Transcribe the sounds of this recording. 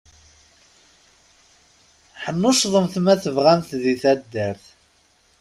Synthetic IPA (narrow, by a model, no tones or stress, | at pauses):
ħənːʊʃðˤəmθmæθəvʁæmθðiθæd̪ːəɾθ